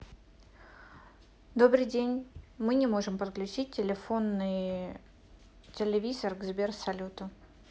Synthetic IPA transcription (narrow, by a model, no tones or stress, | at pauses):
d̪o̞bɾɨjdʲenʲmɨnʲɪmo̞ʐɨmpɾklʲʉt͡ɕit̚ʲtʲːɪlʲɪfonːɨj | tʲɪlʲɪvʲizərɡzbʲersɐlʲut̪ʊ